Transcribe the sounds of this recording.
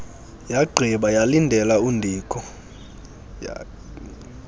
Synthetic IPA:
jaɡ͡ǃʱiɓajalindʱɛlaundʱiːkʰɔ

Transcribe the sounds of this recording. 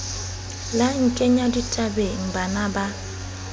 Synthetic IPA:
laŋ̩kʼɛɲaditʼabeŋ̩banaba

